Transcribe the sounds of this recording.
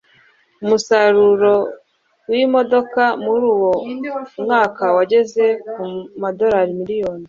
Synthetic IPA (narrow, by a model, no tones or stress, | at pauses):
umusaɾuɾo̞ | wimo̞do̞kamuɾuːwo̞mŋaːkawaɟe̞ze̞kumado̞ɾaɾimiɾijo̞ːni